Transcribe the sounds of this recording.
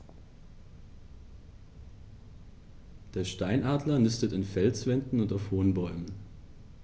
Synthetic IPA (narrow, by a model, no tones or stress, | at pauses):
d̥eːɐʃtaɪnʔaːdlɐnɪstətɪnfɛlt͡sv̥ɛndn̩ʊntaʊfhoːnbɔʏmən